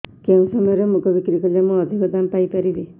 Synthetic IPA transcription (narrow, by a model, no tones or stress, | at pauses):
keũsɔmɔjɔɾemukɔbikɾikɔlamɔːd̪ʱikɔd̪ampajpaɾibi